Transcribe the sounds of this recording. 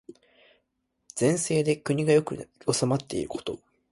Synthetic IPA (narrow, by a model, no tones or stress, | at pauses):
z̥ẽ̞ɰ̃se̞ːd̪e̞kɯ̟ɲ̟iɡajo̞kɯ̟osamat̪ːe̞ḭɾɯ̟ko̞̥t̪o̞